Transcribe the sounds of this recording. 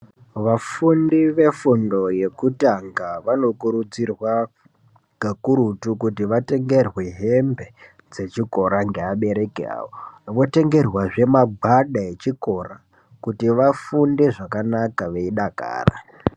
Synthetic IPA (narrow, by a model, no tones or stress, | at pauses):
ʋafundiʋe̞fundo̞je̞kutaŋɡaʋano̞kuɾud͡zirwa | ɡ̥akuɾutukutiʋate̞ŋɡe̞rwe̞ɦembe̞ | d͡ze̞t͡ʃiko̞ɾaŋɡe̞aɓe̞ɾe̞kḛa̰ːʋoʋo̞te̞ŋɡe̞rwaʐe̞maɡʱaɗae̞t͡ʃiko̞ra | kutiʋafundiʐakanakaʋeiɗaka̰ːra̰